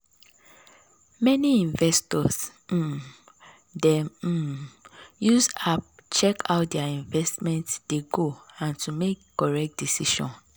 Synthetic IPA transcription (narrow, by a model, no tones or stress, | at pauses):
mɛniĩɱvɛstɔs̩ | dɛm̩ | jusap̚t͡ʃɛkʰaʊt̚dɛaĩɱvɛstmɛ̃ntsdeɡoãntumekːɔɹɛk̚t̚d̥isiʃɔ̰̃n